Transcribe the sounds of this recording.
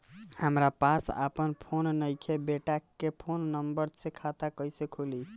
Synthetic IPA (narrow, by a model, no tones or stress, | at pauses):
həmɾapasə̰pənpʰonnəjkʰebeʈakːepʰonːəmbəɾsekʰat̪akəjsekʰuli